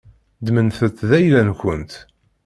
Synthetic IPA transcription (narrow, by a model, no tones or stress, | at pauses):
d̪mənθət̪ːðæjlænkʷənt̪